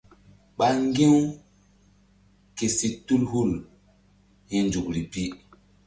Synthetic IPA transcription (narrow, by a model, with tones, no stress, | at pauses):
ɓa˦ŋ˦ɡĩ˦w | ke˨si˨tu˦lhu˦˨l | hĩ˦nd͡ʒu˨kɾi˨pi˦